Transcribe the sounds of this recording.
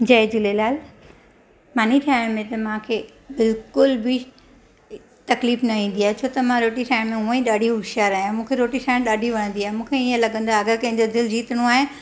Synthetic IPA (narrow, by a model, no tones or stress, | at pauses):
d͡ʑɐd͡ʑulelaːl | maːnit̪ʰiaːɪɽ̃mẽt̪ɐmãkʰeː | bɪlkʊlbɪ | t̪ɐkliːfnɐʋĩːn̆d̪iaːɦet͡ɕʰoːt̪ɐmãɾoːʈiʈʰaːɪɽ̃mẽɦũːə̃ĩɗaːɖʱiʊʃaːɾaːɦijũmũːkʰeɾoːʈiʈʰaːɪɽ̃ɗaːɖʱiʋɐɽ̃ə̃nd̪iaːɦemũːkʰeiə̃lɐɠə̃n̆d̪aɐɡəkɐ̃ɦɪ̃ɲ̆d͡ʑod̪ɪld͡ʑiːt̪əɽ̃ũaːɦe